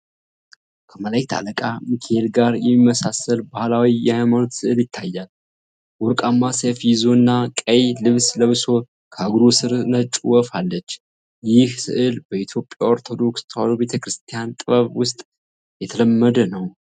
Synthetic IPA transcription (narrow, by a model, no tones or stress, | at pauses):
kʰəməlajkt̪ʰa̰ləkʼamikʰeelɡaɾjɛmːimːəsasəlbahlawijɛhajmanot̪sɨʔɨljɪt̪ʰːajːal | wɔɾkʼamːasefjɪzonːakʼəjlɨβsləβso̞ | kʰəaɡɾusɨɾnət͡ʃʼuwɔfalːət͡ʃː | jɪhsɨ̰ʔɨlbəit̪ʰjo̞pʼjaoɾt̪ʰo̞d̪o̞kst̪ʰəwalobe̞t̪ʰəkɾɨst̪ʰijant̪ʼɨβəβwʊst̪ʼ | jɛt̪ʰələmːəd̪ənəw